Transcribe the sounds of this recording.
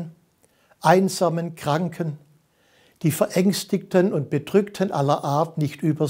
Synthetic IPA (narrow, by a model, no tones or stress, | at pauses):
n | ʔaɪnzaːmənkʁ̥aŋkʰən | d̥iːfɛɐʔɛŋstɪktʰənʊnt̚b̥ədʁʏktʰənʔalɐʔaːɐtnɪçtʔyːbɐ